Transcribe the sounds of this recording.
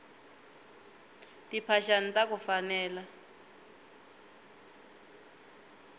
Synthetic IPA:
tipʰaʃanitak̬ufanɛːla

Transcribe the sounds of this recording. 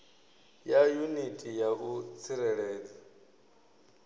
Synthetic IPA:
jajunitʼijakut͡sʰiɾɛɺɛːd͡za

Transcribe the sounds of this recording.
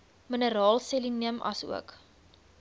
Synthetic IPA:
mənəɾɑːlˠseliniəmʔɐ̰sṵək

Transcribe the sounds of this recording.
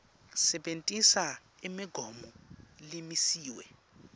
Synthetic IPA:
sɛɓentʼisa | imiɡ̥ʱɔmɔlimisiːwɛ

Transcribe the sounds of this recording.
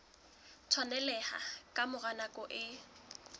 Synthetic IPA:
t͡sʰwanɛlɛha̰kʼamʊɣanakʼɔʔɪ

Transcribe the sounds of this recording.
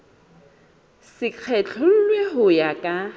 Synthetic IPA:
sɪq͡χʰɛt͡ɬʰɔl̩lweɦʊjakʼa

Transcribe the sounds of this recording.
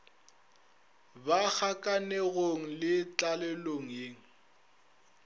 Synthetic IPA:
bak͡xʰakʼanɛɣoŋ̩lɪt͡ɬʼalɛloŋ̩jeːŋ̩

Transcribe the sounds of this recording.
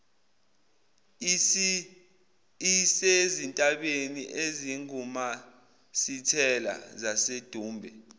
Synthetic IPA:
isezintʼaɓeniʔeziŋuma | sitʰɛla̰zased̥ʱuːmbʱɛ

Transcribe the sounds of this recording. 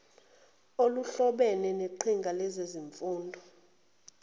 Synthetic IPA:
oluɬɔɓɛnɛneǃʰiŋɡʱalɛzeziɱfuːndʱɔ

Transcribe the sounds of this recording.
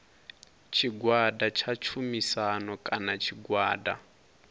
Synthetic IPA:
t͡ʃʰiɡwadat͡ʃʰat͡ʃʰumisanɔkʼanat͡ʃʰiɡwaːda̰

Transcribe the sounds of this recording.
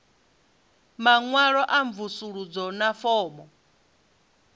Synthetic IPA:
maŋwaɺɔʔaɱvusuɺud͡zɔnafɔːmɔ

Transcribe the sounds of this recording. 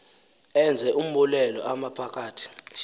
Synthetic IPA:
ɛnd͡zʱɛʔum̩ɓulɛlɔ̰ʔamapʰak̬ʰʼaːtʰi̥ʃ

